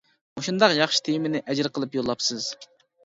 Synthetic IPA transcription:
muʃund̪ɑqjɑχʃi̥t̪ʰejmɪnɪʔɛd͡ʒɾqʰəlˠɨpjolˠːɑpsɨz̥

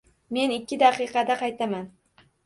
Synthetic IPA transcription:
me̞nɪkʲːɪd̪aqɨqɑd̪aqʰɑjt̪ʰaman

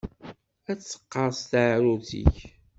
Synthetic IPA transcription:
æt͡sːə̥qːɑɾˤst̪aʕɾuθḭç

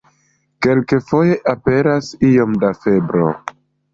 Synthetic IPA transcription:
ke̞lke̞fo̞jeʔape̞ɾasio̞mdafe̞bɾo̰

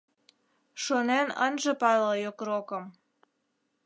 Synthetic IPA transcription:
ʃonenə̰nʒə̆pɑlɑjokrokəm

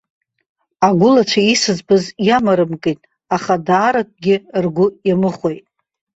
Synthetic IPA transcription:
aɡʷʊlat͡ʃʷʰaisɨzbɨzjamaɾɨmkʼijtʼ | aχadaːɾak̚ʷʼɡʲɪrɡʷʊjamɨχʷojtʼ

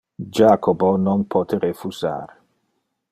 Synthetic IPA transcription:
d͡ʒaːkobonɔnpʰɔt̪eɾefuza̰ːɾ

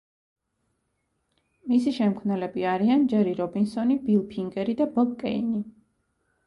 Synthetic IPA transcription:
misiʃɛmkʰvnɛlɛbiaɾiand͡ʒɛɾiɾɔbinsɔnibilˠpʰiŋɡɛɾid̪abɔɡkʼɛ̰ini

